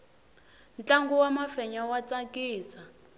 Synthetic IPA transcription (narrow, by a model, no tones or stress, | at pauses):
nt͡ɬʼaŋɡuwamafɛɲawat͡sʼakiːsa